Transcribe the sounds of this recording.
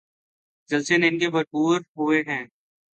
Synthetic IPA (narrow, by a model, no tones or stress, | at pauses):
d͡ʒɐlseneɪnkebʱɐɾpuːɾɦoːeɦɛ̃ː